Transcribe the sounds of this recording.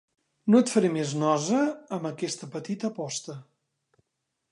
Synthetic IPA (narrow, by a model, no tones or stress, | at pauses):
noət̪fəɾimeznɔzəːməkɛst̪əpət̪it̪əpɔst̪ə